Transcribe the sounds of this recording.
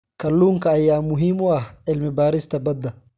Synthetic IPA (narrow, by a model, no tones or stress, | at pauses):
kɐlːuːŋkɐːjːaːmʊɦimɔɐhʕɪlmɪbaːɾɪst̪ɐbɐd̪ːɐ